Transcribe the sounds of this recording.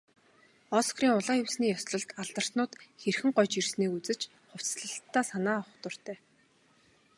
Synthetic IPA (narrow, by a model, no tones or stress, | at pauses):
ɔskriːŋʊɮaːɵwsniːjɔsɮɞ̆ɬt̪aɮt̪ə̆r̥t̪nʊːt̪xerxɘ̆ŋɢɔjt͡ɕirsneːkut͡sɘ̆t͡ɕ | χʊw̥t͡sɮə̆ɬt̪ːaːsanaːɔχ̆t̪ʊr̥t̪æː